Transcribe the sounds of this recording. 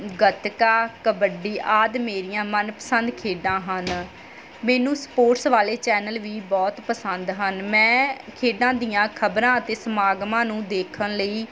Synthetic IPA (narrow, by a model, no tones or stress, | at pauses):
ɡət̪kaːkəbəɖiːʔaːd̪meːɾijãːmənpə̥sənd̪kʰeːɖãːɦən | mɛːnũːsə̥poːʈsʋaːleːt͡ʃɛːnəlʋiːbɔːt̪pəsənd̪ɦənmɛ̃ːkʰeːɖãːd̪ijãːkʰəbɾãːət̪eːsəmaːɡmãːnũːd̪eːkʰənləiː